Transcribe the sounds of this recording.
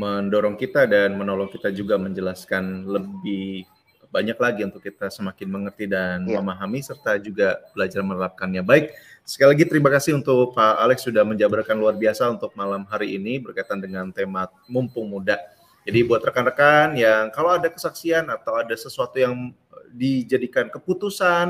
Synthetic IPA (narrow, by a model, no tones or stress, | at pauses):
məndoɾɔŋkit̪adanmənɔlɔŋkit̪ad͡ʒuɡaməɲd͡ʒəlaskanləbɪh | baɲaklaɡiunt̪ʊkːit̪asəmakɪnməŋərt̪idanməmaɦamisərt̪ad͡ʒuɡab̥əlad͡ʒarmənəlap̚kanɲabaɪk̚sə̥kajilaɡit̪əɾimakasɪhunt̪ʊk̚paalɛksːudahməɲd͡ʒabəɾkanluarbiasaunt̪ʊk̚malamɦaɾiinibərkait̪andəŋant̪emat̪̚mumpʊŋmuda | d͡ʒadibuat̪rəkanrəkanjaŋkalowadakəsaksianat̪awadasəsuat̪ujaŋ | did͡ʒadikankəput̪usan